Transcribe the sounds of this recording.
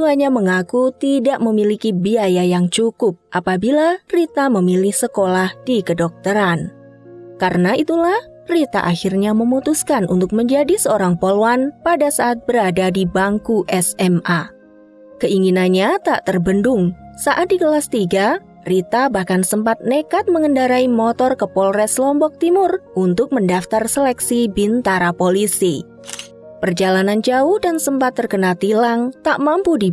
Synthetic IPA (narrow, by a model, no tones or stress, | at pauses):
suaɲaməŋakut̪idaʔməmilikibiajajaŋt͡ʃukʊp̚ʔapabilarit̪aməmilɪhsəkolahd̥ikədɔk̚t̪əɾan | kaɾənait̪ulah | rit̪a̰ʔaxirɲaməmut̪uskanʔṵnt̪ʊk̚məɲd͡ʒadisəoɾaŋpoloanpadasaʔat̪̚bəɾadadibaŋkuʔɛsɛma | kəiŋinanɲat̪aʔt̪ərbəndʊŋsaʔat̪̚diɡəlast̪iɡa | rit̪abahkansəmpat̪̚nekat̪̚məŋəndaɾaimoɔt̪ɔrkəpɔlrɛslɔmbɔk̚t̪imʊrʔunt̪ʊk̚məndaft̪arsəlɛksibint̪aɾapolisi | pərd͡ʒalanand͡ʒauhdansəmpat̪ːərkənat̪ilaŋt̪aʔmampudi